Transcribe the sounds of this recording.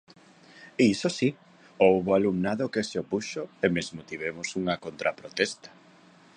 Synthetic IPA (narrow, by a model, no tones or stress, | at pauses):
isosi | owβoalumnaðokeseopuʃoemezmot̪iβemosuŋɐkont̪ɾʔapɾot̪ɛst̪ɐ̥